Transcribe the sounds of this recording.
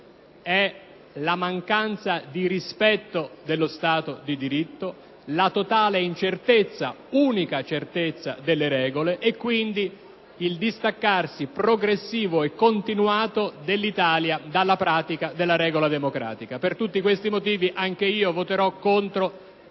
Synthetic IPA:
ɛ | lamaŋkant̪sad̪iɾispɛt̪ːod̪elːost̪aːt̪od̪id̪iɾit̪ːo | lat̪ot̪aːleint͡ʃert̪et̪sːa̰uːnikat͡ʃert̪et̪sːa̰d̪elːeɾɛːɡoleʔekːwind̪i | ild̪ist̪akːarsipɾoɡɾesːiːvoɛkːont̪inwaːt̪od̪elːit̪aːljad̪alːapɾaːt̪ikad̪elːaɾɛːɡolad̪emokɾa̰ːt̪ikapert̪ut̪ːikwest̪imot̪iːviʔaŋk̟eiːovot̪eɾɔkːont̪ɾo

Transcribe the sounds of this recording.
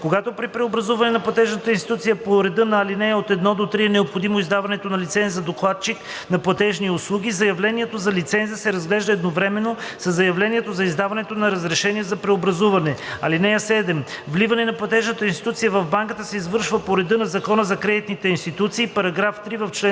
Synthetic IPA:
koɡat̪opɾipɾɛobɾɐzuvɐnɛnɐplˠɐt̪ɛʒnət̪əinst̪i̥t̪ut̪sijəpoɾɛd̪ɤnɐːlinɛjəot̪ɛd̪nɔd̪ot̪ɾiɛnɛopxod̪imoizd̪avɐnɛt̪onɐlit̪sɛnzɐd̪oklˠat̪̚t͡ʃik | nɐplˠɐt̪ɛʒniʊslˠuɡ̟ʲizɐjɐvlɛniɛt̪ozɐlit̪sɛnzəsɛɾɐzɡlɛʒd̪ɐɛd̪novɾɛmɛnːosɐzːɐjɐvlɛniɛt̪ozɐizd̪avɐnɛt̪onɐɾɐzɾɛʃɛniɛzɐpɾɛobɾɐzuvɐnɛɐlinɛjəsɛd̪ɛmvlivɐnɛnɐplˠɐt̪ɛʒnət̪əinst̪it̪ut̪sijəvɐvbaŋkət̪əsɛizvɤɾʃvəpoɾɛd̪ɤnɐzɐkɔnəzɐkɾɛd̪it̪nit̪ɛinst̪it̪ut̪siːpɐɾɐɡɾaft̪ɾivɐft͡ʃlɛ

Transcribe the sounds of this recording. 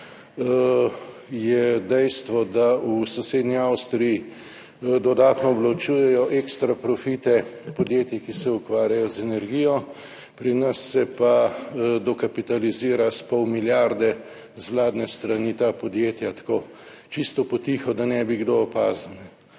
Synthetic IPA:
jɛd̪ɛjst̪ʋɔd̪ausɔseːd̪niawst̪ɾiji | d̪ɔd̪aːt̪nɔːblat͡ʃuːjɛjɔʔekst̪ɾapɾɔfit̪ɛpɔd̪jeːt̪jɛkisɛukʋaːɾjajɔzɛnɛɾɡijɔ | pɾinɐsːɛpad̪ɔkapit̪aliziːɾaspɔwmiljaɾd̪ɛ | zʋlaːd̪nɛst̪ɾanit̪apɔd̪jet̪jat̪ḁkoː | t͡ʃist̪ɔpɔt̪ixɔd̪anɛbiɡd̪oːpazanɛ

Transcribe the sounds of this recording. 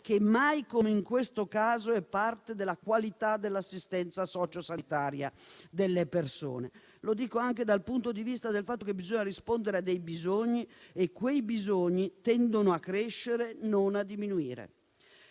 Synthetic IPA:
k̟emːajkomeiŋkwest̪okaːzoɛpːart̪ed̪elːakwalit̪ad̪elːasːist̪ɛnt̪sasɔːt͡ʃosanit̪aːɾja̰d̪elːeperso̰ːne | lod̪iːkoaŋked̪alpunt̪od̪ivist̪ad̪elfat̪ːokebːizoɲːaɾispond̪eɾead̪ːejbizoɲːiekːwejbizoɲːit̪ɛnd̪onoakːɾeʃːeɾenonad̪ːiminuḭːɾḛ

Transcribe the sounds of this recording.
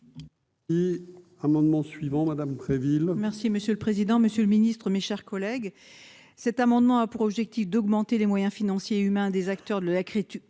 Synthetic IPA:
i | amɑ̃d̪mɑ̃sɥivɑ̃mad̪ampχevilmɛʁsiməsjøləpχezid̪ɑ̃məsjøləminist̪χəmeʃɛʁkɔlɛɡ | sɛt̪amɑ̃d̪mɑ̃apuʁɔbʒɛk̚t̪ifd̪ɔɡmɑ̃t̪elemwajɛ̃finɑ̃sjeymɛ̃d̪ezakt̪œʁd̪əlakχet̪

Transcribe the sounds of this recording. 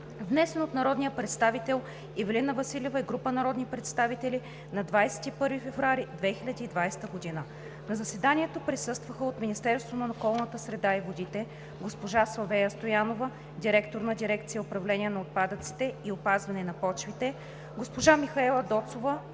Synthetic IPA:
vnɛsɛnot̪nɐɾɔd̪nijəpɾɛt̪st̪avit̪ɛlˠ | ivɛlinɐvɐsilʲivəiɡɾupənɐɾɔd̪nipɾɛt̪st̪avit̪ɛli | nɐd̪vajsɛ̥t̪ipɤɾvifɛvɾuaɾid̪vɛxilʲɐd̪iːd̪vajst̪əɡod̪inə | nɐzɐsɛd̪anʲiɛt̪opɾisɤst̪vəxəot̪minist̪ɛɾst̪vonɐokɔlˠnət̪əsɾɛd̪aivod̪it̪ɛ | ɡospoʒasovɛjəst̪ojanovə | d̪iɾɛkt̪oɾnɐd̪iɾɛkt̪sijəopɾɐvlɛniɛnɐot̪̚pad̪ət̪si̥t̪ɛiopazvɐnɛnɐpɔt͡ʃvit̪ɛ | ɡospoʒamixɐɛlˠɐd̪ɔt̪sovə

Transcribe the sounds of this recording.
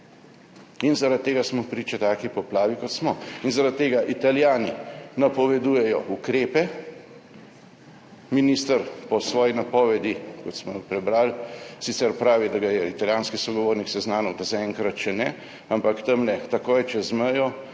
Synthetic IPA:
inzaɾat̪̚t̪ːeːɡasmɔpɾiːt͡ʃɛt̪aːkipɔplaːʋikɔt̪smɔinzaɾat̪̚t̪ːeːɡaʔit̪aljaːninapɔʋɛd̪uːjɛjɔʔukɾeːpɛ | minist̪əɾpɔsʋɔːjinapɔːʋɛd̪ikɔt̪smɔpɾɛbɾaːlsit̪sɛɾpɾaːʋid̪aɡajɛit̪aljaːnskisɔɡɔʋoːɾniksɛznaːnɔwt̪azaɛŋkɾat̪t͡ʃɛnɛ | ampakt̪əmlɛt̪akoːjt͡ʃɛzməjɔ

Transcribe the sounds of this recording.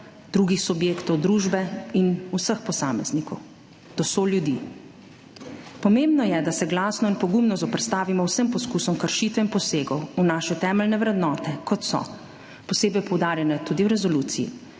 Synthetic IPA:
d̪̥ɾuːɡixsubjeːkt̪ɔwd̪ɾuːʒbɛinusəxpɔsaːmɛznikɔw | d̪̥ɔsoljud̪ḭ | pɔmembnɔjɛd̪asɛɡlaːsnɔinpɔɡumnɔzɔpɾɛt̪st̪aːʋimɔwsəmpɔskusɔmkəɾʃiːt̪ʋɛinpɔseːɡɔwunaːʃɛt̪ɛːmɛlnɛʋɾɛd̪nɔːt̪ɛkɔt̪sɔ̰ | pɔseːbɛjpɔwd̪aːɾjɛnɛt̪uːd̪iwɾɛzɔluːt̪sijḭ

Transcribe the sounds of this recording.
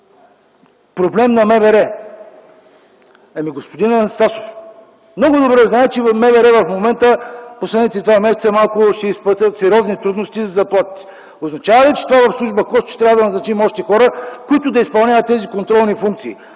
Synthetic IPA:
pɾoblɛmnɐmɛvɛɾɛ | ɐmiɡospod̪inɛsaso̥f | mnɔɡʊd̪obɾɛznaɛt͡ʃɛvɐmɛvɛɾɛvɐfmomɛnt̪əposlɛd̪nit̪it̪ovamʲɛsɛt̪sɛmalˠkʊʃɛispət̪ʲət̪sɛɾʲɔznit̪ɾud̪nost̪izɐzɐplˠat̪ə̥t̪ɛ̥ | oznɐt͡ʃavɐlɛt͡ʃɛ̥t̪ovavɐfslˠuʒbəkɔst̪t͡ʃɛ̥t̪ɾavəd̪ɐnɐznɐt͡ʃimɔʃt̪ɛxɔɾəkoʊit̪ʊd̪ɐispɐlˠnʲavɐt̪ːɛzikont̪ɾɔlˠnifuŋk̚t̪siː

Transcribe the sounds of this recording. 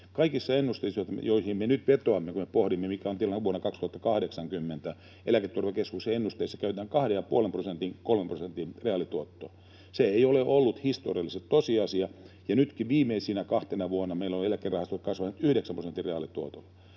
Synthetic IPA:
kɑikisːɑenːust̪eisot̪joihimmenyt̪ʋet̪oɑmːekumepohɾimːemikæont̪iælːæʋuonːɑkɑkst̪uhɑt̪ːɑkɑhɾeksɑŋkymːent̪æ | elæket̪ːurʋekeskuseenːust̪eisːɑ̥kæyt̪æːŋkɑhdejɑpuolemprosent̪iŋkolmemprosent̪inreɑlit̪uot̪ːo̰ː | seeioleʔolːut̪hist̪o̰riɑlːˑiset̪t̪osiɑsiɑ | jɑnyt̪kiʋiːmeːsinækɑht̪enɑʋuonːɑmeilːoelækːerɑhɑst̪ot̪kɑsʋɑnt̪yhɾeksæmproset̪ːireɑlit̪uot̪olːɑ

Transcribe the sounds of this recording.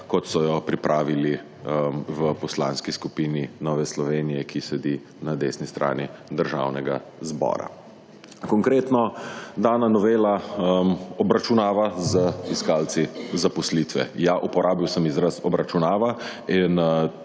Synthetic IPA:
kɔt̪sɔjɔpɾipɾʔaːʋili | ʋəpɔslaːnskiskupiːninɔːʋɛslɔʋeːnijɛkʰisɛd̪i | nad̪eːsnist̪ɾʔa̰ːnid̪əɾʒa̰wnɛɡazbɔ̰ːɾa̰ | kɔŋkɾeːt̪nɔd̪aːnanɔʋeːlamɔbɾat͡ʃunaːʋazəiskaːlt̪sizapɔslit̪ʋɛ̰jaʔupɔɾʔaːbiwsəmizɾasɔbɾat͡ʃunaːʋain

